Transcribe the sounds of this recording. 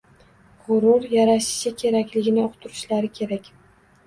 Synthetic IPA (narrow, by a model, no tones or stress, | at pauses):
ʁʊɾʊɾjaɾaʃɪ̥ʃɪkʲʰe̞ɾakʲlɪɡʲɪnɪoqʰt̪ʰʊɾɪʃlaɾɪkʲʰe̞ɾakʲ